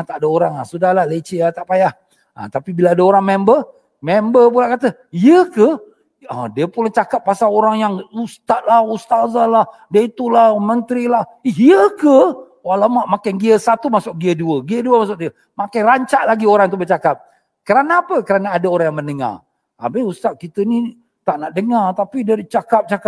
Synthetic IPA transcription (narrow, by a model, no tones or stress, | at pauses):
at̪aʔdaoɾaŋahsudahlahlet͡ʃiat̪aʔpajah | ʔa̰t̪apibilaadaoɾaŋmɛmbə | mɛmbəpulaʔkat̪ə | jəkə | adiəpulat͡ʃakap̚ːasaoɾaŋjaŋust̪at̪̚lahust̪azalahdiəit̪ulahmənt̪ɾilahijəkə | walamaʔmakanɡiəsat̪umasʊk̚ɡiəduəɡiəduəmasʊk̚diə | makajɾaɲt͡ʃaʔlaɡioɾaŋt̪ubət͡ʃakap̚ | kəɾanaːpəkəɾanaːdaoɾaŋjaŋmənəŋa̰r | a̰bɪhust̪at̪̚kit̪əni | t̪aʔnaʔdəŋart̪apidiət͡ʃakap̚t͡ʃaka